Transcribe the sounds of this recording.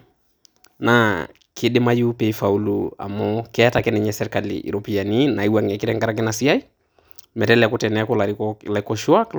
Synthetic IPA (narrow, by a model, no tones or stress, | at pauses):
na | kʰɪɗɪmajupeifaulua̰mɔkɛatakɛnɛɲɛsɛɾɛkalḭʔḭɾopianinaiwaŋakɪɾɛŋɡaɾak̬ɛnasiai | mɛtɛlɛakʊtɛnɛakɔlalakɔʃwak